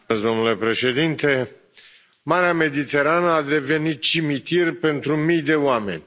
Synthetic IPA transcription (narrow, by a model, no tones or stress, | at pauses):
sd̪o̞mnule̞pɾe̞ʃe̞d̪int̪e̞ | maɾeame̞d̪it̪e̞ɾanəad̪e̞ve̞nit̪̚t͡ʃimit̪irʲpe̞nt̪ɾumijd̪e̞oame̞̰nʲ